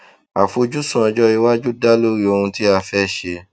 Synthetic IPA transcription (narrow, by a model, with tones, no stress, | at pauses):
a˨fo˧d͡ʒu˦sũ˦ɔ˧d͡ʒɔ˦i˧wa˦d͡ʒu˦da˦lo˦ɾi˦o˧hũ˧ti˦a˧fɛ˦ʃe˧